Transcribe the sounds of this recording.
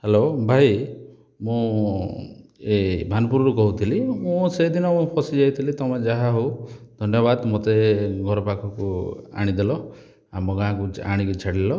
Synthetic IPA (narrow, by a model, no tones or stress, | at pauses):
helobʱaj | mũ | ebʱanpuɾɔɾukɔɦut̪ʰilimũsed̪inɔmũpʰɔsid͡ʒajt̪ʰilit̪ɔmad͡ʒaɦaɦowd̪ʱɔnjɔβad̪mot̪eɡʱɔɾɔpakʰɔkua̰ɽ̃id̪elɔ | amɔɡãɦãkua̰ɽ̃ikut͡ʃʰaɽilɔ